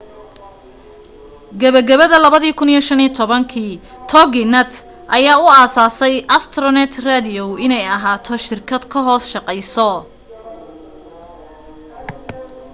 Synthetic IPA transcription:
ɡɐβɐɡɐβɐðɐlɐβɐðiːkʰʊnijɔʃɐniːt̪ʰɔβɐŋkʰiːt̪ʰɔɡɪnɛt̪ | ʔɐjaːʊaːsaːsɛjʔɐst̪ʰrɔnɛt̪ʰrad̪ɪɔwʔɪnɛjɐɦaːt̪ʰɔʃɪrkʰɐd̪̥kʰɐɦɔːsʃɑqɛjsɔ

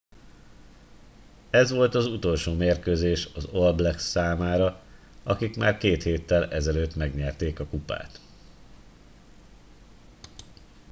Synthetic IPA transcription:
ɛzʋo̞lt̪ɒzut̪o̞lʃoːmeːrkøːzeːʃɒzolblɛksaːmaːɾɒ | ɒkikmaːrkeːt̪heːt̪ːɛlɛzɛløːt̪mɛɡɲɛrt̪eːkɒkupa̰ːt̪

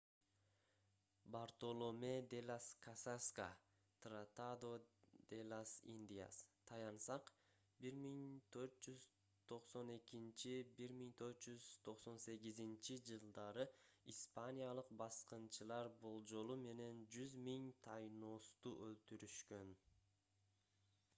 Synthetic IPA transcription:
baɾt̪o̞lˠome̞d̪e̞lʲaskʰasaska̰ | t̪rat̪ad̪o̞d̪̥elˠasḭnʲd̪ʲija̰st̪ʰɑjɑnsɑq | biɾmiŋt̪ʰø̞ɾt̪̚d͡ʒyz | t̪ʰo̞qso̞nekint͡ʃibiɾmiŋt̪ʰø̞ɾt̪̚d͡ʒyz̥t̪ʰo̞qso̞nse̞ɡizint͡ʃid͡ʒɯlˠd̪ɑɾɯispanʲijalˠɯq̚bɑsqɯnt͡ʃʰɯlˠɑɾbo̞lˠd͡ʒo̞lˠume̞ne̞nd͡ʒyzmiŋt̪ʰɑjnost̪uʔølt̪yɾyʃkø̞n

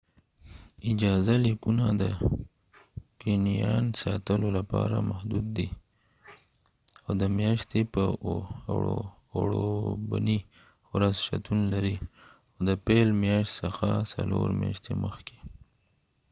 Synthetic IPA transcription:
ɪd͡ʒɑzalikunad̪ə | kenijɑnsɑt̪əlolapɑɾamahd̪ud̪ːi | awd̪əmjɑʃt̪epə | ɽoba̰ni | wɾazʃat̪unlaɾi | aod̪əpelmjɑʃt̪səxasa̰loɾmjɑʃt̪eməxke̥

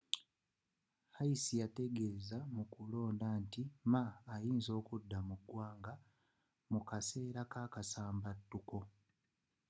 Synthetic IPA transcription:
hajisijate̞ɡe̞ːzamukulo̞ːndantimaːjiːnzo̞ːkudːamuɡwaːŋɡa | mukase̞ːɾakaːkasaːmbatːuko̞

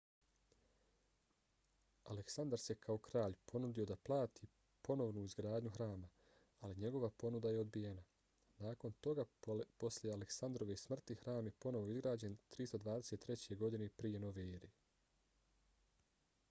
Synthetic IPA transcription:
aleksand̪aɾse̞kʰao̞kɾaːʎpʰo̞nud̪io̞d̪aplˠaːt̪ʰi | po̞no̞ʋnuizɡɾaːd̪ɲuxɾaːmaː | liɲe̞ɡo̞ʋapo̞nud̪aje̞o̞d̪bijena | naːko̞nt̪o̞ɡapo̞sljealeksand̪ɾo̞ʋe̞smr̩t̪ihɾaːmje̞po̞no̞ʋo̞izɡɾaːd͡ʑe̞nt̪ɾist̪od̪ʋaːd̪e̞set̪ːɾe̞t͡ɕe̞ɡo̞d̪ine̞pɾije̞noʋeːɾe

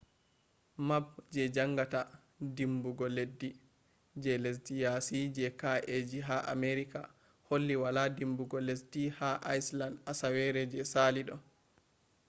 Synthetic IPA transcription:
mab̚d͡ʒɛd͡ʒaŋɡata | dimbuɡɔledːi | d͡ʒɛles̬dijasid͡ʒɛkaʔed͡ʒiɦaʔa̰meɾika̰ | holːiwaladimbuɡɔlesdihaʔajslandasawɛɾɛd͡ʒɛsaliɗɔ

